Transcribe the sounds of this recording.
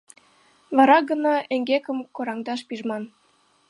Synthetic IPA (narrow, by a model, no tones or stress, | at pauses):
βɑɾɑɡənɑʔeŋɡekə̆mkoɾɑŋd̪ɑʃpiʒmɑn